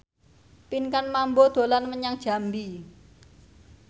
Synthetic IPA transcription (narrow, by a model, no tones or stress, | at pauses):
pinkanmambod̪̥o̤lanməɲaŋd̥ʒ̥a̤mbi